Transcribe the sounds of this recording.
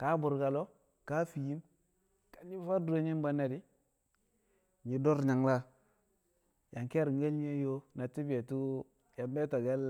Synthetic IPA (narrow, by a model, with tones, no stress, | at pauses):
ka˨˦bu˨ɾka˨lo˦ | ka˦fi˨ji˦m | ka˨ɲi˦fa˦du˦ɾo˦ɲi˦m˦ba˦nːa˨di˦ | ɲi˨do˦ɾɲa˨ŋla˦ | ja˨ŋke˦ɾŋ˦ɡe˦lɲ˦e˦jo˦na˨ti˦bi˨e˨tu˦ | ja˨mbe˦to˨ɡe˦l